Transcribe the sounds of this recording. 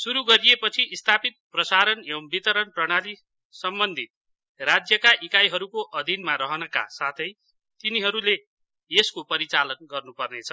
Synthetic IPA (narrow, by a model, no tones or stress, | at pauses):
suɾuɡʌɾijepʌt͡sʰiʔːst̪ʰapit̪̚prʌsaɾʌneʌmbit̪ʌɾʌnprʌɽ̃ali | sʌmbʌnd̪ʱit̪̚ | rad͡zjʌkaʔikajɦʌɾukoʔʌd̪ʱinmaɾʌɦʌnʌka̰sat̪ʰʌj | t̪iniɦʌɾule | eskopʌɾit͡salʌnɡʌrnupʌrnet͡sʰʌ